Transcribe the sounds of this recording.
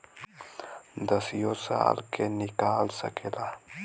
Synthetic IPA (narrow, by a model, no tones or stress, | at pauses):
d̪ɐsjosa̰a̰lkʰenikaːlsɐ̰kʰela